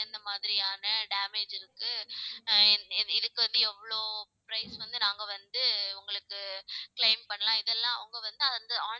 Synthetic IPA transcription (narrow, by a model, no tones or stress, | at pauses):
ɛnd̪ɐmaːðɪɾɪjaːnɐɖaːmeːd͡ʒɪɾɯkːɯ | ɪɾɯkːɯʋɐnd̪ɯɛʋɭoːpɾɐɪsʋɐnd̪ɯnaːŋɡɐʋɐnd̪ɯʊŋɡɐɭɯkːɯkɭɐɪmpɐɳːɐlãːɪðɛlːãːɐʋɐŋɡɐʋɐnd̪ɯɐðnd̪ɯaː